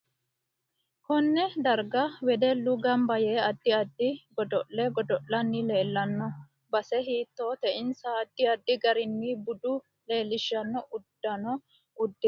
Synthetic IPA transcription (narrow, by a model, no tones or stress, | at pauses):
kɔnːɛd̪ɐɾɡɐwɛd̪ɛlːʊɡɐmbɐjeːɐd̪ːɪɐd̪ːɪɡɔd̪ɔʔlɛɡɔd̪ɔʔːɐnːɪleːlːɐnːɔ | bɐsɛɦiːt̪ːoːt̪ɛʔɪnsaɐd̪ːɪɐd̪ːɪɡɐɾɪnːiːbʊd̪ʊ | leːlːɪʃːɐnːɔʔʊd̪̥ːɐnɔ | ʊd̪ːɪ